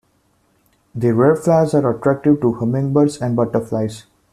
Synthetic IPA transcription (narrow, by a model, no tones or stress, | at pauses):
d̪iɾeːɾflaɪzaːɾəʈɾæk̚ʈɪʋʈuhʌmɪ̃ŋɡbəɾsɛ̃ɳɖbʌʈəɾflaɪz